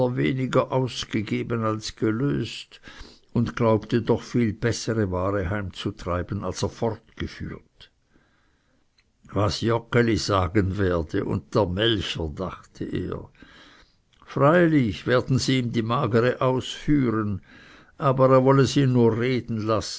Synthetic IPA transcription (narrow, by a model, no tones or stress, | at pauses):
ɐvḛːnɪɡɐʔaʊsɡ̥əɡeːbənalsɡ̥əlø̰ːst | ʊntɡ̥laʊp̚tədɔχfiːlb̥ɛsəʁəvaːʁəhaɪmt͡sutʁ̥aɪb̥ənalseːɐfɔʁtɡ̥əfy̰ːɐt | vasjɔkəliz̥aːɡənveːɐdəʔʊ̰nt̚d̥eːɐmɛlçədaχtʰəʔḛːɐ | fʁaɪlɪçveːɐdn̩ziːmdiːmaːɡəʁəʔaʊsfyːʁən | ʔaːbəʁeːɐvɔləsiːnnuːɐʁeːdn̩las